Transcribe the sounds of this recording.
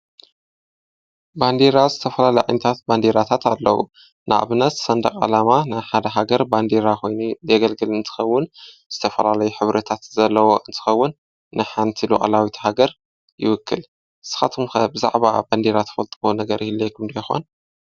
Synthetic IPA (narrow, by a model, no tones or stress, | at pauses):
band̪eɾazɨt̪ʰɐfɐlalɐjʕa̰jnɐt̪ʰat̪̚band̪eɾat̪ʰat̪alːɐ̰wṵ | nʔɨʔa̰βnɐt̪sɐnd̪ɐkʼa̰lamanɨħad̪ɐɦaɡɐɾband̪eɾako̞jnuzɐɡɐlɡɨlɨnt̪ʰɨ̥xɐwːʊn | z̥ɨt̪ʰɐfɐlalɐjuħɨβɾʔɐt̪ʰat̪zɐlːɐwo̞ʔɨnt̪ʰɨ̥xɐwːʊnː | ɨħant̪ʰilṵʔʼɐ̰lawit̪ʰhaɡɐɾ | jɪ̰wʊkʰːɨl | sɨ̥xat̪ʰɨmxɐbɨza̰ʕβa̰band̪eɾat̪ʰɐ̥fɐlt̪ʼɨwonɐɡɐɾihɨlːejkʰɨmd̪ɐjɪxo̞̰n